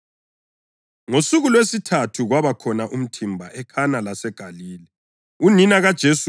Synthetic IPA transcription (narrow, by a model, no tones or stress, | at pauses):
ŋosuɣulwesitʰatʰuɣwaβakʰɔnaʔum̩tʰimbʱa̰ʔɛkʰanalasɛɡ̥ʱaliːlɛ | uninaɣad̥ʒ̥ʱes